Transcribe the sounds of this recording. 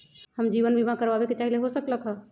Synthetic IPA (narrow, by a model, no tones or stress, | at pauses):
həmd͡ʒiʋənbimãkəɾabeket͡ʃaɦileɦosəkləkɦə